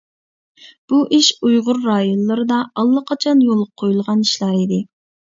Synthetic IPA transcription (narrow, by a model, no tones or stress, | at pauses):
b̥uʔiʃujʁʊɾːɑːjonlːˠɨɾɨd̪ɑɑlˠːɑqʰɑt͡ʃʰɑnjolˠqʰojulˠʁɑniʃlˠɑːid̪ɪ